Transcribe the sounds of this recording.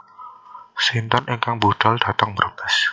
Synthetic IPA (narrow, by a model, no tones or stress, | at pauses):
sint̪ɔnʔeŋkaŋbud̪̥ɔ̤ld̪̥a̤t̪əŋməɾb̥ɛs